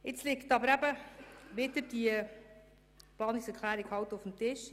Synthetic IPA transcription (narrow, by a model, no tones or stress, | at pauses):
ɪt͡slɪktɑbəɾæbəʋɪdəd̥iə | b̥ɑːnɪksɛkʰlæːɾikhɑʊtofmtɪʃ